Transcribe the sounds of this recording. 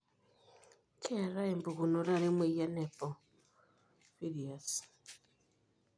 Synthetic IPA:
kʰe˦ɾa˦e˨mbu˨ɣu˨no˨ɾa˦ɾe˦mwe˨ja˦ne˨po˨ | fi˦ɾi˨as

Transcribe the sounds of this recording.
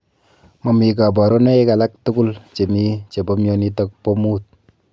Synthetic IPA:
mɔ˨mi˨ka˨bɔ˨ɾɔ˦ne˦i˦ka˨la˦k̚tu˦kʊ˦lt͡ʃe˨mi˦t͡ʃe˨bɔ˦mjɔ˦ni˦tɔ˦k̚pɔ˦mu˦t̚

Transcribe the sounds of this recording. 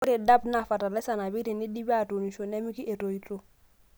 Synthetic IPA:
ʊ˦ɾe˨da˦bna˨fa˨ta˨lɛ˦sa˨na˨bi˦ɾi˨ni˦di˦bi˦a˦˨to˨ni˨ʃo˨nɛ˦mi˦ki˦e˨to˨i˨to˦˨

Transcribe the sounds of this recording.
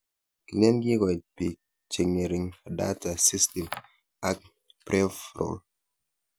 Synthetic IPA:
ki˨lɛ˦nɡi˦kɔ˨i˨pi˨ | t͡ʃe˨ŋe˨ɾi˨ŋa˨da̰˦ta˨si˦sti˨m | a˦k̚ | pɾe˦fɾo̰˨l

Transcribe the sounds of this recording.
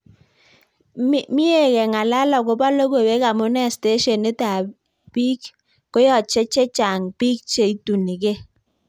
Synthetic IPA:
mɪ˦e˦˨kɛ˨ŋa˨la˦lɔ˨kʊ˨pa˦lo˦ko˨we˦ka˨mʊ˦nɛ˦˨ste˦ʃɔ˨ni˦ta˨ | pi˦k | ko˦jɔ˨t͡ʃe˦t͡ʃɛ˦t͡ʃa˨ŋpi˦k̚t͡ʃe˨i˦tu˨ni˨ke˦

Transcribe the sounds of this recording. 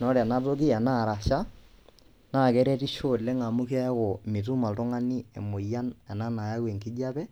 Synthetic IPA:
nɔ˦ɾa˨na˦to˦ki˦ɛ˨na˦˨ɾa˨ʃa˦ | naː˦˨kɛ˦ɾɛ˦ti˦ʃo˦˨lɛ˦ŋa˨mu˦ki˦a˦jɛ˦ko˨mi˨t̬u˦ma˨ltʊ˦ŋa˦ni˦ɛ̰˨mo˨ja˦nɛ˨na˦na˨ja˦wɛ˨ŋki˦d͡ʒa˦pɛ˦

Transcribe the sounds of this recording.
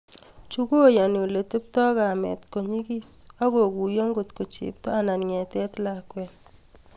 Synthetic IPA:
t͡ʃu˦ɡo˦ja˨ni˨le˨tu˦p̚tɔ˦ka˨mɛ̰˨tko˨ɲi˦ki˦sa˦ɡo˨ku˨jo˦ŋɡo˨tko˨t͡ʃḭ˨p̚tɔ˦a˦na˨nŋɛ˨tɛ˦tla˦kwɛ˨l

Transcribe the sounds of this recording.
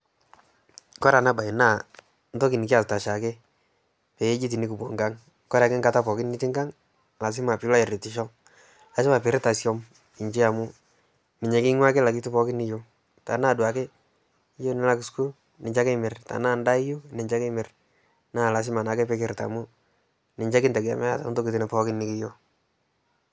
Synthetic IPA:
kɔ˦ɾa˨na˦ba˨na˦˨ | n˦tɔ˦kɪ˨nɪ˨kɪ˦a˨ta˨ʃa˨kɪ˦ | pɛ˨e˦d͡ʒi˦t̬i˨ni˦ku˨bɔ˨ŋɡa˦ŋ | kɔ˦ɾa˨kɪ˦ŋɡa˦ta˦pɔ˨kɪ˦nɪ˦tɪ˦ŋɡa˦ŋ | la˨s̬ɪ˦ma˨pɪ˨˦la˦ɪ˨ɾi˨tɪ˨ʃ̬ɔ˦ | la˨s̬ɪ˦ma˨pɪ˨ɾɪ˦ta˨sjɔ˦m | ɪ˨ɲt͡ʃɪ˦a˨mʊ˦ | mɪ˨ɲɛ˨kɪ˦ŋwa˦kɪ˦la˨kɪ˦tu˦pɔ˦kɪ˦nɪ˦jo˦ | ta˨naː˦˨dwa˨kɪ˦ | jo˦nɪ˨˦la˦ksku˦l | nɪ˨t͡ʃa˦kɛ˦mɪ˨rta̰˨na˦˨nda˦ɪ˦jo˦nɪ˨ɲt͡ʃa˦ke˦mɪ˨r | na˦˨la˨s̬ɪ˦ma˨na˨kɛ˦pe˦kɪ˦ɾta̰˨mʊ˦ | nɪ˨ɲd͡ʒɛ˦kɪ˦ntɛ˨ɡa̰˨mɛ˦ja˨ta˨˦to˦ki˨ti˨na˨pɔ˦kɪ˦nːɪ˦kɪ˦jo˦˨

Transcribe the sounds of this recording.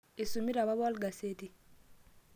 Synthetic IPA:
i˨su˨mi˦ɾa˨βa˦βa˦lɡa˨se˦ti˨

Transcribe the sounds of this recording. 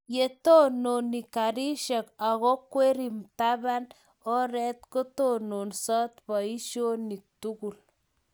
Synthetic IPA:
je˨t̪o˦no˨ni˨kaɾi˦ʃa˨ka˨ɣɔ˦kwe˦ɾi˨mt̪aβa˦n | ɔ˦ɾɛ˦t̪ko˦t̪o˦no˨nsa˦t̪pa˨i˦ʃo˦ni˨k̚t̪uku˨l

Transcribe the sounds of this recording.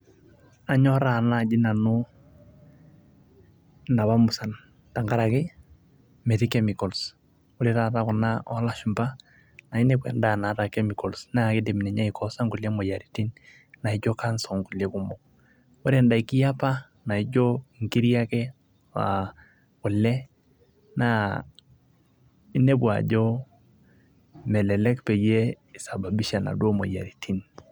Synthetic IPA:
a˨ɲɔ˦ɾa˨na˦˨d͡ʒi˦na˨nu˦ | na˨wa˦mu˨sa˨n | ta˨ŋɡa˦ɾa˨kɪ˦ | mɛ˨ti˦kɛ˦mi˨kɔ˨ls | u˦ɾi˦ɾa˨ta˦kʊ˨na˦ɔ̰˦la˦ʃu˨mba˦ | na˨i˦nɛ˦kwɛ̰˨nda˦˨na˨ta˨kɛ˦mi˨kɔ˨lsna˦˨ki˦dɛ˨mi˨nɛ˨ɲa˦i˨kɔ˦sa˦ŋku˨le˦mɔ˨ja˨ɾi˨ti˦n | na˨i˨˦d͡ʒo˦ka˦nsɔ˨ŋku˨le˦ku˦mɔ˨k | ɔ˦ɾe˨nda˨i˨ki˦ja˦pa˦ | na˨i˦d͡ʒo˦i˨ŋki˦ɾja˦kɛ˦ | wa̰˨ | kʊ˨lɛ˦ | na˨ | i˦ne˦bwa̰˨d͡ʒo˦ | mɛ˨lɛ˨lɛ˦kpɛ˨je˦ | i˨sa˨ba˨bi˦ʃa˨na̰˨dwo˦mɔ̰˨ja̰˨ɾi˨tʰi˦n

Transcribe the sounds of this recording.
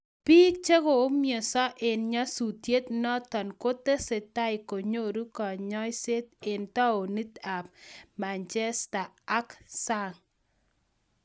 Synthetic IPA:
pi˦t͡ʃe˦ɣo˨o˦mje˨sɔ˦ʔɪ˨nɲɔ˦su˨t̪je˦t̪nɔ˦t̪ɔ˨nko˦t̪e˦se˨t̪a˦ɪ˨ko˨ɲo˦ɾu˦kɔ˨ɲɔ˦jse˦t̪̚e˨nt̪ɔ˦o˨ni˦t̪a˨p̚ma˨nt͡ʃɛ˦sta˨a˦ksa˦˨ŋ

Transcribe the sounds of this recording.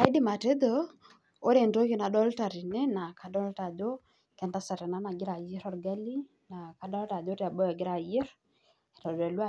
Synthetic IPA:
a˦i˦dɪ˦ma˨te˦dɔ˦ | o˦ɾe˨ndo˦ki˨na˨dɔ˦lta˨ɾi˨nɛ˦na˨ka˨dɔ˦lta˨do˦ | kɛ˨nta˦sa˨ɾɛ˨na˨˦na˨ɡɪ˦ɾa˨je˦ɾɔ˨ɾɡa˦li˦ | na˨ka˨dɔ˦lta˨d͡ʒo˦ɾja˨bɔ˦jɔ˨ɡɪ˦ɾa˨je˦ɾ | ɛ˨ɾɔ˨dɛ˨lwa˦˨

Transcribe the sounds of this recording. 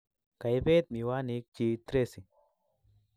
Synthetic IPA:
ka˨jbe˦t̪̚mi˨wa˦ni˧˦k̚t͡ʃi˧t̪ɾe˦si˨

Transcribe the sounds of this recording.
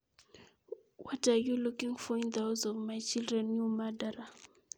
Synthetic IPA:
wʔa˦ta˨ju˦lu˦ki˦ŋfɔ˦ind̪a˦wzɔ˨vma˨jt͡ʃi˦lɾɛ˨nju˦ma˦da˦ɾa˨

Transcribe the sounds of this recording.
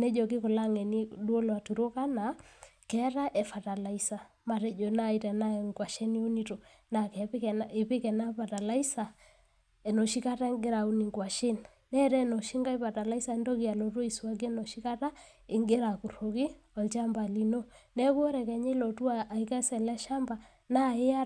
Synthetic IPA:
nɛ˦d͡ʒɔ˨ki˦kʊ˨la˦ŋɛ˨ni˦du˦o˦lwa˨tu˨ɾo˦ka˦na˨kɛ˦ɾa˦ʔɛ˨fa˨ta˨la˨isa˨ | ma˨ɾɛ˦d͡ʒɔ˨na˦i˦tɛ˨na˦˨ŋɡwa˨ʃe˦ni˦o˦ni˦to˨ | na˨kɛ˨pkɛnɪ˨pɪ˦kɛ˨na˦pa˨ta˨la˦i˦sa˨ | e˨nɔ˨ʃi˦ka˦ta˦ŋɡɪ˦ɾa˨u˦ni˨ŋɡwa˨ʃe˦n | nɛ˦ɾɛ˦nɔ˨ʃi˦ŋɡa˦i˦pa˨ta˨la˦i˦sa˨˦ndo˦ki˦a˨lɔ˨two˦i˨sa˦ɡe˦nɔ˨ʃi˦ka˦ta˦ | ɪ˨ŋɡɪ˦ɾa˨ku˨ɾo˨ki˦ɔ˨lt͡ʃa˦mba˨li˨no˦nɛ˦ko˦ɾɛ˨kɛ˨ɲe˦lɔ˨tu˦a˦a˨i˦ka˦sɛ˨lɛ˦ʃa˦mba˨ | na˦ɪ˦a˦

